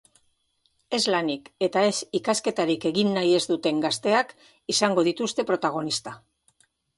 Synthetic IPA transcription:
e̞zlanike̞t̪ae̞sikaske̞t̪aɾike̞ɣinːaje̞zd̪ut̪e̞ŋɡast̪e̞ak | isaŋɡo̞ð̞it̪ust̪e̞pɾo̞t̪aɣ̞o̞nist̪a

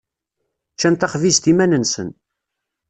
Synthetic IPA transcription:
t͡ʃːænt̪ɑχvizt̪imænənsən

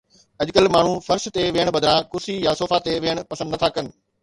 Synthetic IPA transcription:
ɐʄkəlmaːɳ̤ũfɐɾst̪eʋeːəɽ̃bɐd̪ɾãkʊsijasoːfat̪eʋeːəɽ̃ʊ̆pɐsə̃nd̪ɐt̪ʰaːkɐnɪ̆

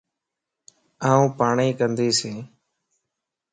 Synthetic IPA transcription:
aːũːpaːɳiːkənd̪iːsẽː

